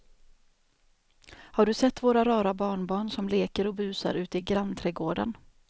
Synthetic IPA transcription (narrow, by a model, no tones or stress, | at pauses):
haɖɵsɛt̪ːvoːɾaɾɑːɾabɑːɳbɑːɳsɔmleːkəɾɔbʉ̟ːsa̰ɾʉ̟ːt̪ɪɡɾant̪ʰɾɛɡoːɖə̰n